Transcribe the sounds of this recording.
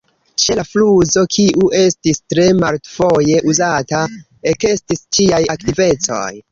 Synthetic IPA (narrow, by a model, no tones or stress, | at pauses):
t͡ʃelafluzo̞kʰiʔuʔe̞stistɾe̞maltfo̞je̞ʔuzata | eke̞stist͡ʃiajaktive̞t͡so̞̰j